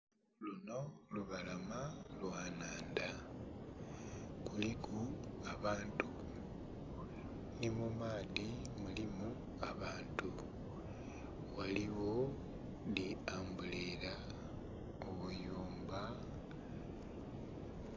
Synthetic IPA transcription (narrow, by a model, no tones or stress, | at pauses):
luno̞luβalamalwaːnaːnda | kulikuaβaːntu | nimumaːðimulimu | aβaːntu | waliwo | nliaːmbulela | oβujuːmba